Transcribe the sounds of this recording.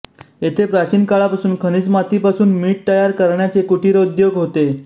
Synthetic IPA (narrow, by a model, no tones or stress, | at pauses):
jet̪ʰepɾat͡ɕiːnkaɭapasuːnkʰəñid͡zmat̪ipasuːnmiːʈ̚t̪əjaɾkəɾɳjat͡sekuʈiɾeud̪joɡɦot̪e